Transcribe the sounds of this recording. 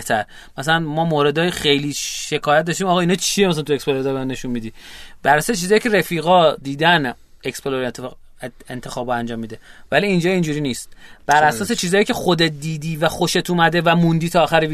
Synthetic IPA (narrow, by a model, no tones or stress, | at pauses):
ht̪ʰæɾ | mæsælænmɒːmoɾe̞d̪ɒːjxe̞jliːʃe̞kʰɒːjæt̪̚d̪ɒːʃt̪iːmɒːɣɒinɒːt͡ʃʰijemæsælænt̪uekspoloɾed̪ɒːɾbemne̞ʃunmid̪iːbæɾæsɒːset͡ʃʰiːzɒːjiːcʰe̞ɾe̞fiːɣɒːd̪iːd̪æn | e̞kspeloɾet̪ʰːe | ent̪ʰexɒːboænd͡ʒɒːmːiːd̪e̞væliːnd͡ʒɒːind͡ʒuːɾiːniːst̪b̥æɾʔæsɒːse̞t͡ʃʰiːzɒːjiːcʰexod̪et̪̚d̪iːd̪iːvæxo̞ʃe̞t̪ʰumæd̪e̞væmund̪iːt̪ʰɒːxæɾevi